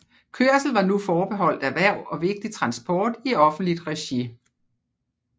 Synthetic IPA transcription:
kʰøɐ̰sl̩ʋɑ̈nufɒːb̥e̝ɦɒ̽l̰d̥æʋæɐ̰ɒ̽ʋe̝ɡ̥̚d̥it͡sʰʁɑ̈nsb̥ɒːd̥iɒ̽fn̩d̥lid̥ʁɛɕi

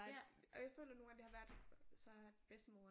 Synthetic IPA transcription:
ɒjafø̰ːlɐno̝ːn̩æd̥e̝hɑ̈ʋæɐd̥sɒ̥̽b̥esd̥əmo̝ː

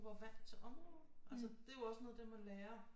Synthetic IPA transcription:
ʋɑ̈ʋæn̰̥t͡sʰe̝ʔɒ̽mʁɔːð̩ˠʔæls̬əd̥e̝jo̝ɒ̽snɔ̽ðˠd̥emæleːɐ

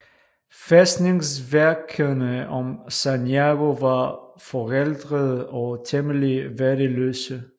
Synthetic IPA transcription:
fesd̥neŋsʋæɐkʰənəɒmsanjaɡ̥oʋɑfɒʁeld̥ʁəðˠɒt͡sʰeməliʋæɐɾəløːsə

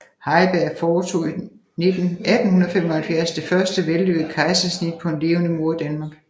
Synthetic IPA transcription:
hɑ̈ɪb̥æɐ̰fɒːt͡sʰo̝̰i | ne̝d̥n̩ʔæd̥n̩hunðɐfemɒhælfjæɐsd̥e̝fɶɐsd̥əʋelløɡ̩ˠkʰɑ̈ɪsæsnid̥̚pʰɒ̽e̝nle̝ːʊnəmo̝ɐd̥ænmɑ̈ːɡ̥

